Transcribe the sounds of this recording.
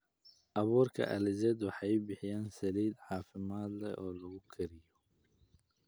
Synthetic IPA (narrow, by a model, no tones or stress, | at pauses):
ʔɐβuːrkʰɐ̰ʔɐ̰lɪzɛd̪wɑħɑjbɪħɪjaːnsɐliːd̪ħaːfɪmaːd̪lɛ̰ʔɔːlɐɣʊkʰɐɾɪjɔ